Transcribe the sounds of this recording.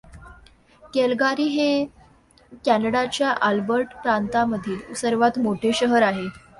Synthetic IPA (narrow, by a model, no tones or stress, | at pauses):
kelɡaɾiːɦe | kænəɽat͡ɕjaʔalbəɾʈpɾant̪aməd̪ʱiːlusəɾʋat̪moʈʰeɕəɦəɾaɦe